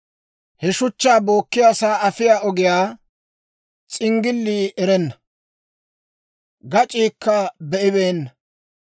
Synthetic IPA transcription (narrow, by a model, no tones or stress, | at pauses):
hɛʃʊt͡ʃːaːbo̞ːkːɪjaːsaːɐfɪjaːʔɔɡɪjaː | t͡sʼɪŋɡɪlːiːʔɛɾɛnːɐ̥ | ɡɐt͡ʃʼiːkːɐbɛʔɪβe̞ːnːɐ